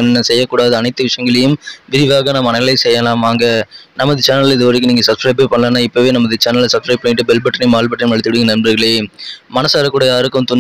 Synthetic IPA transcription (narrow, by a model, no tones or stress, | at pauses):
nɛnːɐsɛjːɐkːuːɽaːðɯɐnɐɪt̪ːɯʋɪʂɐjɐŋɡɐɭɐjɯmʋɪɾɪʋaːɣɐnaːmɐnɐɐɭɐɪsɛjːɐlaːmaːŋɡɐnɐmːɐðɯt͡ʃaːnɐlɪðɯʋɐɾɯkːɯniːŋɡɐsɐpskɾɐɪbeːpɐɳːɐlɐːnːaːɪpːɐʋeːnɐmːɐðɯt͡ʃaːnɐlsɐpskɾɐɪpːɐɳːɪʈːɯbɛlbɐʈːɐnimaːlbɐʈːɐmɐɭɪt̪ːɪɽɯkːɯnɐɾnbɐɾɣɐɭeːmɐnɐsaːɾɐkːuːɽɐjaːɾɯkːɯmt̪ʊn